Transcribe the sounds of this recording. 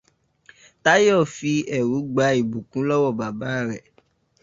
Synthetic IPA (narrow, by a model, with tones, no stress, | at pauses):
ta˦jɔ˦˨fi˧ɛ˨ɾu˨˦ɡ͡ba˧i˨bũ˨kũ˦lɔ˦wɔ˦˨ba˨ba˨˦ɾɛ˦˨